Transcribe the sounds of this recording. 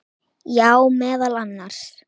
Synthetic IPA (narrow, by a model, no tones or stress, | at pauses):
jaːwmɛːðalanːaɾ̥s